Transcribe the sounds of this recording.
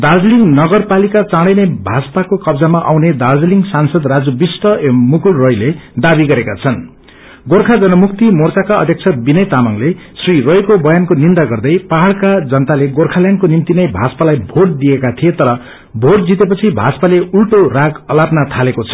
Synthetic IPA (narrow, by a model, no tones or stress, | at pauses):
d̪ard͡zliŋɡnʌɡʌrpalikat͡sãɽʌjnebʱat͡sʌ̥pakokʌbd͡zamaʔa̰wned̪ard͡zliŋɡsansʌd̪rad͡zubisʈʌmukulrojled̪abiɡʌɾekat͡sʰʌn | ɡorkʰad͡zʌnʌmukt̪imort͡sakaʌ̰d̪ʱjʌk̚t͡sʰʌbinʌjt̪amaŋle | srirojkobʌjankonind̪aɡʌrd̪ʌjpaɦaɭkad͡zʌnʌt̪aleɡorkʰaljankonimt̪inʌjbʱat͡sʌ̥palajbʱoʈ̚d̪iekat̪ʰijet̪ʌɾʌ | bʱoʈ̚d͡zit̪epʌt͡sʰibʱat͡spaleʔulʈoraɡʌlapnat̪ʰalekot͡sʰʌ̥